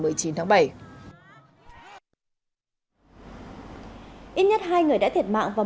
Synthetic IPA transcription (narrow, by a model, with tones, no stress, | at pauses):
mɨ˨˩əjt͡ɕi˨˦nt̪ʰaː˨˦ŋɓa˧˩j | ʔi˦˥t̚ɲə˦˥t̚ɦaː˧jŋɨ˨˩əjɗa̰˧˥t̪ʰi˨˩t̚ma̰ː˧˨ŋvaː˨˩